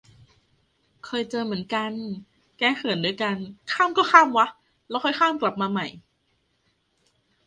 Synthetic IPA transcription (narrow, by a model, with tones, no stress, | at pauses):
kʰɤː˧jt͡ɕɤː˧mɯ˩˦ə˦nka˧n | kɛː˧kʰɯ˨˩˦ndu˧əjka˧nkʰaː˥˩mkɔː˥˩kʰaː˥˩mwa˦˥ʔ | lɛː˦˥wkʰɔ˥˩jkʰaː˥˩mkla˨˩p̚maː˧ma˨˩j